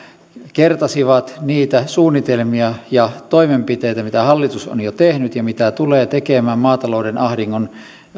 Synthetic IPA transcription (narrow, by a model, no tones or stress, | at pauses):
kert̪ɑsiʋɑt̪niːt̪æsuːnːit̪elmiɑjɑt̪oimempit̪eit̪æmit̪æhɑlːit̪uso̰njot̪ehnyt̪jɑmit̪æt̪uleːt̪ekemæːmmɑːt̪ɑloudenɑhɾiŋːon